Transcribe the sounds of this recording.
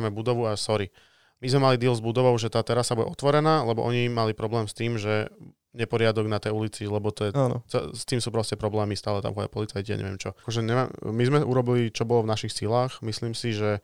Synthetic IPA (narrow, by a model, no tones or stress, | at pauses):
amɛbud̪ɔʋuasɔɾi | mizmɛmalid̪iɛlzbud̪ɔʋɔʊʒɛt̪aːt̪ɛɾasːabuɟɛ̰ʔɔt̪ʋɔɾɛnaːlɛbɔʔɔɲimalipɾɔblɛːmst̪iːmʒɛ | ɲɛpɔɾɪad̪ɔɡnat̪ɛjulit͡silɛbɔt̪ɔjɛant͡sɛst̪iːmsuːpɾɔscɛpɾɔblɛːmist̪aːlɛt̪a̰mɦɔa̰jpɔlit͡sajcia̰ɲɛ̰ʋɪɛ̰mt͡ʃɔkɔʒɛɲɛmamizmɛʔuɾɔbilit͡ʃɔbɔlɔvnaʃixsilaːxmisliːmsiʒɛ